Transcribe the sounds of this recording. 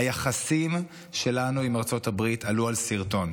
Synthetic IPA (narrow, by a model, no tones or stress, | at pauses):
ajaχasim | ʃe̞lanuimaʁt͡so̞thabʁitʰalualsiʁto̞n